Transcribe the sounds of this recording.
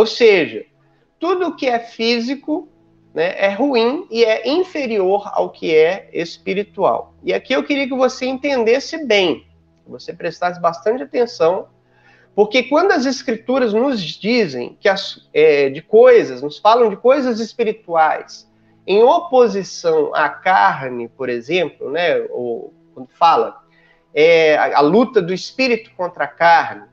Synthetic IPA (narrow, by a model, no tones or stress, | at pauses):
owseʒɐ̰ | t̪ud̪ʊːkɪɛfizikʊ | nɛʔɛɦuĩɪɛʔĩfeɾioɾa̰wkʰɪɛḛspiɾit̪ua̰wɪakiewkɪɾiɐk̬ɪvoseẽnt̪ẽnd̪esɪbẽj̃ | kɪvosepɾest̪asɪbast̪ɐ̃nt͡ʃɪat̪ẽsɐ̃w̃ | poɾkekwɐ̃nd̪ʊɐzeskɾit̪uɾɐznʊzd͡ʒizḛ̃j̃kɪɐsɛd͡ʒɪkojzɐznʊsfalɐ̃w̃d͡ʒɪkojzɐzɪspiɾit̪uajs | ẽj̃opozisɐ̃w̃a̰kaɾnɪpoɾezẽplʊnɛo̰k̚wɐ̃nd̪ʊfalɐ̰ | ɛa̰lut̪ɐd̪ʊɪspiɾit̪ʊ̥kõnt̪ɾɐakaɾnɪ